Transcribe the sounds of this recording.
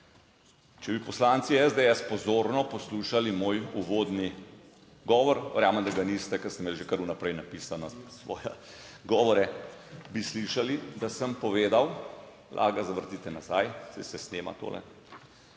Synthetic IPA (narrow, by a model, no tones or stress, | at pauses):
t͡ʃɛbipɔslaːnt̪siɛzd̪eɛspɔzoːɾnɔpɔsluːʃalimoːjuʋod̪ni | ɡɔːʋɔɾʋɛɾjaːməmd̪aɡanist̪ɛkɐsɛmeːlʒekəɾunapɾɛjnapisanɔsʋɔ̰ːjɛ | ɡɔːʋɔɾɛbisliʃalid̪asəmpɔʋeːd̪aw | lʔa̰ːɡazaʋəɾt̪iːt̪ɛnazajsɛjsɛsneːma̰t̪o̰ːlɛ̰